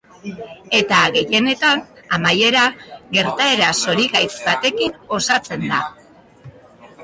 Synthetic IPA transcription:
e̞t̪aɣe̞je̞ne̞t̪anamaje̞ɾaɣe̞ɾt̪ae̞ɾaso̞ɾiɣajt͡sbat̪e̞kino̞sat͡se̞nd̪a

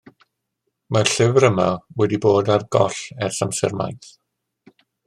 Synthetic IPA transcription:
marɬɪvɾəma̰wɛdiboːdarɡɔɬɛrɬamsɛ̰rma̰jθ

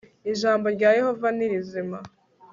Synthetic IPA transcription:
iʒaːmbo̞ɾɟaːje̞ho̞vaniɾizima

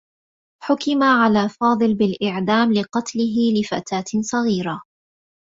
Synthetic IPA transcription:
ħʊkɪmaʕalaːfɑːd̪ˤɨlbɪlʔɪʕd̪aːmlɪqɑt̪lɪɦɪlɪfa̰t̪aːt̪sˤɑɣiːɾa

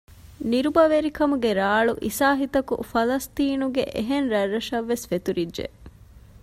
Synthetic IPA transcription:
niɾubɐʋeɾikɐmuɡeɾaːɭuʔisaːɦit̪ɐkṵfɐlɐst̪iːnuɡḛʔeɦenɾɐrːɐʃɐʋːesfet̪uɾidʒḛ

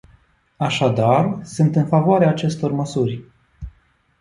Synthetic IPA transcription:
aʃad̪arsunt̪ɨnfavoaɾeaːt͡ʃe̞st̪o̞rməsurʲ

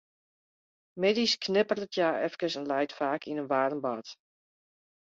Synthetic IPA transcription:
medisknɪpərətʰjaːɛfkəsɛnlɛjtfaːkʰinənʋaːdənbɑt

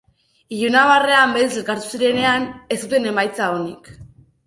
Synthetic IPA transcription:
iʎunaβ̞are̞ambeselkaɾt̪u̥siɾe̞ne̞ane̞st̪ut̪e̞ne̞majt͡saonik

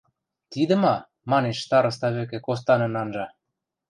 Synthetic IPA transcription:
t̪id̪ə̆mɑ | mɑneʃt̪ɑɾɤ̆st̪ɑβøk̬ĕkos̬t̪ɑnɤ̆nɑnʒɑ

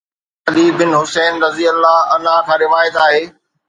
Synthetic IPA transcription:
ɐd̪iːbɪnɦʊseːnɾɐzijəlːaɐnãk̪ʰãɾɪʋaːjət̪aːɦeː

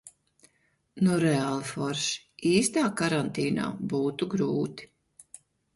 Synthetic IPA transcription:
nuɾɛalˠfɔɾʃ | iːst̪aːkaɾant̪iːna̰ːbuːt̪uɡɾuːt̪i̥

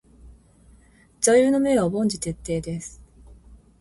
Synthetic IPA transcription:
zajɯːno̞me̞βabõ̞ɲ̟d͡ʑit̪e̞t̪ːe̞ːd̪e̞sɨ̥

